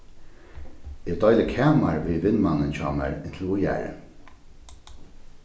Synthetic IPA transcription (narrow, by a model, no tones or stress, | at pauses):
ɪd̪ɔʏləkʰɛːmaɹʋiːʋɪnmanənt͡ɕɔ̰ːmæ̰ɹɪnt̪ʰl̩ʊjæ̰ːɹə̰